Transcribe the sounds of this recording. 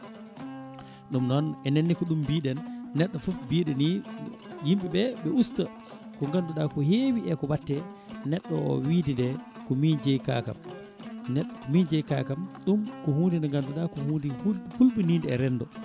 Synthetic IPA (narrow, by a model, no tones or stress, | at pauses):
ɗumnɔnɛnenːikɔɗumbiːɗɛnːɛɗːɔfufbiːɗɛni | jimɓiɓɛɓɛusta | kɔŋɡanduɗakɔheːwiɛkɔwatːɛ | nɛɗːɔɔ̰widindɛ | kɔmind͡ʒɛjka̰ːka̰m | nɛɗɔkɔmind͡ʒɛjka̰ːkamɗumkɔhuːndindɛŋɡanduɗakɔhundihuhulɓiniːndɛːɾɛndɔ